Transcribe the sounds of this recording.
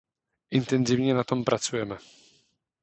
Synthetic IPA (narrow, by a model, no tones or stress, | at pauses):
int̪ɛnzʲivɲɛnat̪ɔmpɾʔat̪sujɛmɘ